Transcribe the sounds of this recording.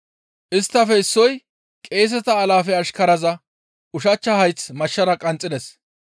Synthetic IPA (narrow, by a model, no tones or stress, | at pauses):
ʔɪst̪ːɐfɛɪsːɔj | kʼe̞ːs̬ɛt̪ɐːlaːfɛɐʃkɐɾɐzɐ | ʊʃɐt͡ʃːɐhɐjt͡smɐʃːɐɾɐkʼɐnt͡sʼɪd̪ɛs